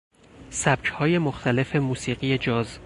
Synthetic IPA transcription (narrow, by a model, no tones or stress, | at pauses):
sæb̥cʰhɒːje̞moxt̪ʰæle̞fe̞muːsiːɢije̞d͡ʒɒːz